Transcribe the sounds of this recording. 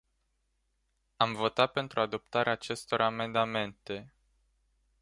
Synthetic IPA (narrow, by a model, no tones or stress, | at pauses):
amvo̞t̪at̪̚pe̞nt̪ɾʔuad̪o̞p̚t̪aɾeaːt͡ʃe̞st̪o̞rame̞nd̪ame̞nt̪e̞